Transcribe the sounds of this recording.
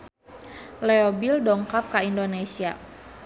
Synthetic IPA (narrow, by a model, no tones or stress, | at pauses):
leobildɔŋkap̚kaindonesia̰